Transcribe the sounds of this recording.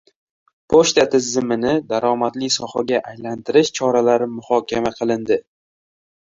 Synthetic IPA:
pʰoʃt̪at̪ʰɪzːɪmɪnɪd̪aɾɒmat̪lisɒhaɡʲaʔajlant̪ʰɪɾɪʃt͡ʃʰɒɾalaɾɪmʊhɒkʲʰamaqʰɨlˠɪnd̪ɪ

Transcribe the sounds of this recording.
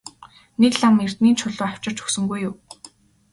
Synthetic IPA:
nekɮamer̥t̪niːnt͡ɕʰʊɮʊːaw̥t͡ɕɪ̆r̥t͡ɕʰɵ̥ksɵ̆ŋɡujːʊː

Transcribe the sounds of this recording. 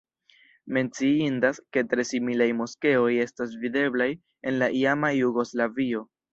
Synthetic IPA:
me̞nt͡siindaske̞tɾe̞similajmo̞ske̞o̞je̞stas̬vide̞blaj | e̞nlaʔiamajuɡo̞slavio̞

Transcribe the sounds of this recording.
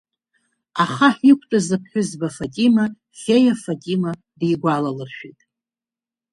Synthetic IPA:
aχaħikʷʰʼtʼazɨpʰħʷᶣʊzbafatʼima | fʲejafatʼima | dijɡʷalalɨrʃᶣitʼ

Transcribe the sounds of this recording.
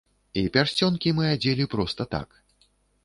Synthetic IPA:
ipʲarsʲt͡sʲɔnkʲimɨad͡zʲɛlʲipɾɔst̪ɐt̪a̰k

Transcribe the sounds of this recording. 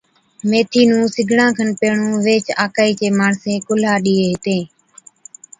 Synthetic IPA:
meːt̪ʰiːnũːsɪɡʱɳãːkʰənpeːɳũːʋeːt͡ʃaːkaːiːt͡ʃeːmaːɳsẽːkʊlaːɗiːeːɦɪt̪ẽː

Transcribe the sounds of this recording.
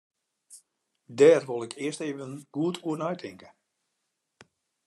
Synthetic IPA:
dɛːrʋolˠɪkʰɪəsteːvənɡ̥uətʰuənœɥtʰɪŋkə

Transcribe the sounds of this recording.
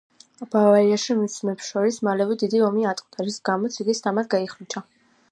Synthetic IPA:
b̥avaiaʃimismɛpsʃɔɾismalɛvɛd̪id̪iɔmiat̪ʼqʼt̪ʰaɾisɡamɔt̪sʰiɡist̪ʰamad̪̚ɡaiχɾit͡ʃʰa

